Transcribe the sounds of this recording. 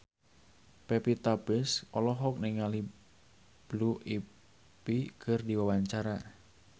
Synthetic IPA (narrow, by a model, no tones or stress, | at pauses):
pepit̪abɪsɔlɔɦɔk̚nɪŋali | b̥lui | pikərdiwawaɲt͡ʃaɾa